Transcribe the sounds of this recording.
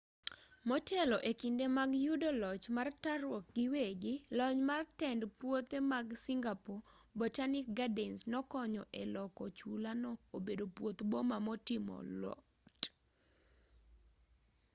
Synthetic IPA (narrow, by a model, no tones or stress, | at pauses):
mɔtʰɛlɔʔekindemaɡjudɔlɔt͡ʃmartaɾwɔk̚ɡɪweɡɪlɔɲmartɛndpwot̪emaɡsiŋɡapɔbɔtanɪk̚ɡadɛnsnɔkɔɲɔʔɛlɔkɔt͡ʃulanɔobedopwot̪bomamɔtɪmɔ̰lɔ̰ | t